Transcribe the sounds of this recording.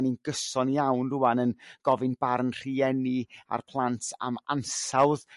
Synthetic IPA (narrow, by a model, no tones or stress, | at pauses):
ninɡəsɔnjawnrʊwanənɡ̥ɔvɪnbarnr̥iɛnɪa̰rpʰlˠantʰa̰mansawð